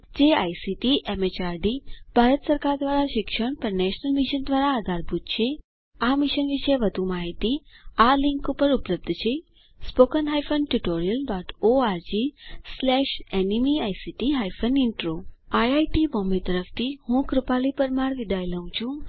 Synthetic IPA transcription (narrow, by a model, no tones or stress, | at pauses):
d͡ʒeajsiʈiʔemet͡ʃaɾɖib̥ʱaɾət̪səɾkaɾd̪ʋaɾaʃɪkʃəɳpəɾnɛʃnəlmɪʃənd̪ʋaɾaːd̪ʱaɾbʱut̪̚t͡ʃʰe | amɪʃənʋiʃəeʋəd̪ʱumaɦit̪ialɪ̃ŋkupəɾupləb̚d̪ʱt͡ʃʰe | spokənɦajfənʈuʈoɾijəlɖɔʈoaɾd͡ʒislɛʃenimiajsiʈiɦajfʰəniɳʈɾoajajʈibɔmet̪əɾəft̪ʰihũkɾupalipəɾmaɽʋid̪ʱajləɦũt͡ʃʰũ